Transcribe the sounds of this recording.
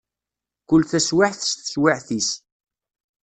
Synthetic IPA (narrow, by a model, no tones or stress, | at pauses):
kʊlːθæswaħθə̥sθə̥swaʕθis